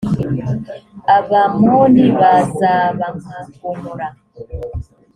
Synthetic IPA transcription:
aβamoniβazaβaŋakomuɾa

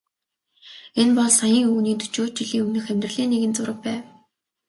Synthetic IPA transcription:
enpɔɮsajĭːŋɵːniːnt̪u̥t͡ɕoːt͡ɕiɮiːŋɵŋnɘ̆xæmʲt̪rɘ̆ɮiːnːeɣɘ̆nt͡sʊɾə̆k̚pæːw

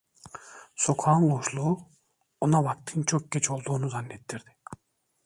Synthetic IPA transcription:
sokʰɑːnɡoʃlˠu | onavak̚t̪ʰint͡ʃʰok̚ɡʲet͡ʃʰolˠd̪uːnuzanːet̪ːiɾd̪i̥

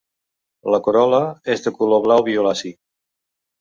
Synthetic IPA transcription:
ləkoɾɔləezðəkuloβlawβiolasik

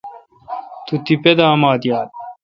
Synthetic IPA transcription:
t̪ut̪iped̪aːmaːd̪jaːd̪̚

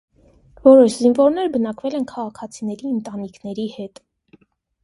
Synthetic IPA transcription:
vɔɾɔʃzinvɔɾnɛɾbənɑkvɛlɛnkʰɑʁɑkʰɑt͡sʰinɛɾiənt̪ɑnikʰnɛɾihɛt̪

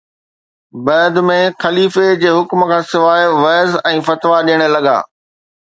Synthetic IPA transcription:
bɐːd̪mẽxɐliːfed͡ʑeːɦʊkm̆kʰãːsɪʋaːɪʋɐːzɛ̃ːfɐt̪ʋaɗiːɽ̃əlɐɠa̰ː

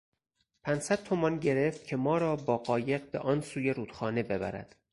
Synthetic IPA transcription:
pʰænsæd̪̥̚t̪ʰomɒnɟe̞ɾe̞ft̪̚cʰe̞mɒːɾɒːbɒːɢɒːje̞ɢ̚bḛʔɒːnsuːjeɾuːd̪̥xɒːne̞be̞bæ̰ɾæ̰d̪̥

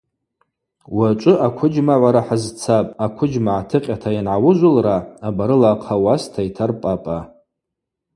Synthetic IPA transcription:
wat͡ʃʷʼʊʔakʷʰʊd͡ʒmaʕʷaɾaħazt͡sʰapʼakʷʰʊd͡ʒmaʕatʰɨqʲʼatʰajanʕawʊʒʷʊlraabaɾɨlaqʰawastʰaitʰarpʼapʼa

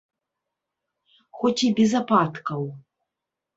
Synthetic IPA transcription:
xɔt͡sʲibʲɛzapat̪kɐw

